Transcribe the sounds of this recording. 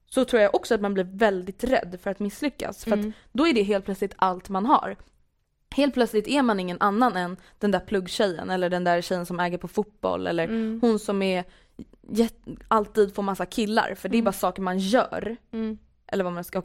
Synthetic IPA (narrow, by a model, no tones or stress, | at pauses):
sɔt̪ʰɾuːɾjaʔɔksɔat̪manbliɾvɛld̪ɪt̪ɾɛ̰d̪ːfœɾat̪mɪslʏkːa̰sfœɾat̪ | d̪ɔæɖɛɦeːlt̪̚plœt̪slɪt̪alt̪manɦa̰ɾ | heːlt̪̚plœt̪slɪt̪æɾmanɪŋːənʔanːanɛn | d̪̥ɛnd̪æɾpʰlɵɡːɕɛjːə̰nɛlːəɖɛnd̪æɾɕɛjːənsɔmɛːɡəɾpʰɔfut̪̚bɔ̰lːɛ̰lːəɾhʊnsɔmæɾ | jɛt̪alt̪iːd̪foːɾmasːakʰɪlːa̰ɾfœɖɛːbɑːɾasɑːkəɾmanjœ̰ːɾ | ʔɛ̰lːəɾvamanska